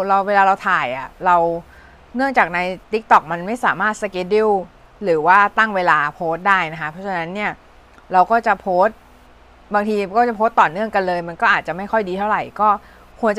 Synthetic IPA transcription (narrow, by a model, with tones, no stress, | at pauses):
ɾa˧weː˧laː˧ɾa˧wt̪ʰaː˨˩jʔa˨˩ɾa˧w | nɯ˥˩əŋt͡ɕaː˨˩k̚na˧jt̪i˦˥k̚t̪ɔ˨˩k̚ma˧nma˥˩jsaː˩˦maː˥˩t̪̚sa˧ke˦˥t̚di˥˩w | ɾɯː˩˦waː˥˩t̪a˥˩ŋweː˧laː˧pʰoː˦˥t̪̚daː˥˩jna˦˥kʰa˦˥pʰɔ˦˥t͡ɕʰa˧na˦˥nːi˥˩ɐ | ɾa˧wkɔː˥˩t͡ɕa˨˩pʰoː˦˥t̪̚ | baː˧ŋt̪ʰiː˧kɔː˥˩t͡ɕa˨˩pʰoː˦˥t̪ːɔː˨˩nɯ˥˩əŋka˧nlɤː˧jma˧nkɔː˥˩ʔaː˨˩t̪̚t͡ɕa˨˩ma˥˩jkʰɔ˥˩jdiː˧t̪ʰa˥˩wɾa˨˩jkɔː˥˩ | kʰu˧ənt͡ɕ